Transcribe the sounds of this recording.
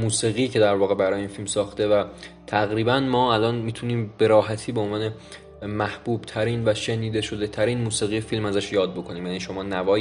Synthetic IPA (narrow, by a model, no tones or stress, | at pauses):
muːsiːɣiːcʰe̞d̪æɾvɒːɣe̞bæɾɒːjeiːnfilmsɒːxt̪e̞væ | t̪ʰæɣɾiːbænmɒːælɒːnmiːt̪ʰuniːmbe̞ɾɒːɦæt̪ʰiːbeonvɒːne̞ | mæhb̥uːb̥t̪ʰæɾiːnvæʃe̞niːd̪e̞ʃo̞d̪e̞t̪ʰæɾiːnmuːsiːɣijefilmæzæʃjɒːd̪̚bo̞kʰo̞niːmjæːniːʃo̞mɒːnævɒː